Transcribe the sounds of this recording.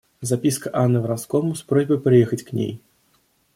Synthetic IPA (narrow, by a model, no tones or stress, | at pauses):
zapʲiskɐʔanːɨvɾaskɔmuspɾɔzʲbɨjpɾɨjɛxɐt͡sʲknʲḛj